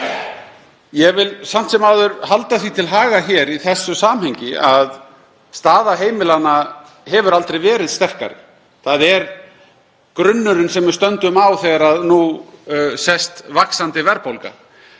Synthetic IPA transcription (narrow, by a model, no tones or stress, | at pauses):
jɛvɪlsam̥t̪sɛmawðʏɾhalt̪aθit̪ʰɪlɦaːɣaçɛːɾiθɛsːʏsaːmhɛjɲcɪað | st̪aːðaɦeːjmɪlana | hɛvʏɾalt̪ɾejvɛːɾɪðst̪ɛr̥ka̰ɾɪ̰ | θaðɛɾ | kɾʏnːʏɾʏnsɛmvʏst̪œnt̪ʏmawθɛɣaɾaðnu | sɛst̪vaksant̪ɪvɛɾpowlka̰